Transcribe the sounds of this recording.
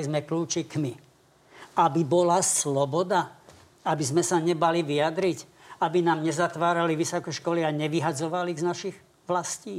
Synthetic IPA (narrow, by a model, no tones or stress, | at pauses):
izmɛkluːt͡ʃikmi | abibɔlaslɔbɔd̪a | abizmɛsaɲɛbaliʋiad̪ɾic | abinaːmɲɛzat̪ʋaːɾaliʋisɔkɛʃkɔliaɲɛʋiɦad͡zɔʋaliɣznaʃiɣ | ʋlasciː